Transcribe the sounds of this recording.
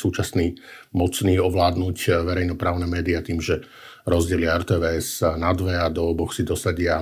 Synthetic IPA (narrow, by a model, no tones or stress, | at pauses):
suːt͡ʃasniːmɔt͡sniːɔʋlaːd̪nucʋɛɾɛjnɔpɾaːʊnɛmɛːd̪iat̪iːmʒɛ | ɾɔzɟɛliaɛɾt̪ɛːʋɛːɛz̥nad̪ʋɛad̪ɔːbɔxsid̪ɔsaɟɪa